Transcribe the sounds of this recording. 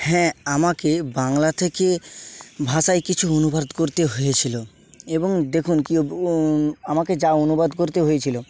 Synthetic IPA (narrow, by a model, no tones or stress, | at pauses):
hɛ̃amakebaŋlat̪ʰeke | bʱaʃajkit͡ɕʰuonubad̪koɾt̪eɦojet͡ɕʰilo | eboŋd̪ekʰunkio | amaked͡ʑaonubad̪koɾt̪eɦojet͡ɕʰilo